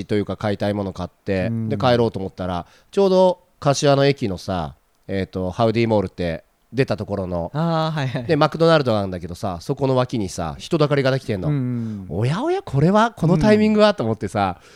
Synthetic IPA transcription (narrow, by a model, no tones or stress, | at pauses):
it̪o̞jɯ̟kakait̪aimo̞nokat̪ːe̞d̪e̞kae̞ɾo̞ːt̪oːmo̞t̪ːaɾa̰ | t͡ɕo̞ːd̪o̞ | kaɕiβano̞e̞kʲino̞sa̰ | et̪ːo̞haɯ̟d̪iːmo̞ːɾɯ̟t̪ːe̞ | d̪e̞t̪at̪o̞ko̞ɾo̞no̞aɦad̪e̞makɯ̟d̪o̞naɾɯ̟d̪o̞ɡaɯ̟̃nd̪ake̞d̪o̞sa̰so̞ko̞no̞βakʲiɲ̟isa̰çi̥t̪o̞d̪akaɾʲiɡad̪ekʲi̥t̪ẽ̞nːoojao̞jakʰo̞ɾe̞βakʰo̞no̞t̪aimʲĩŋɡɯ̟βat̪ːo̞omo̞t̪ːe̞sa